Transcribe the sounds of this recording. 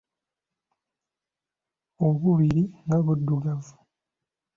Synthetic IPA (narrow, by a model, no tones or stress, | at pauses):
oβuβiɾiŋɡaβudːuɡavu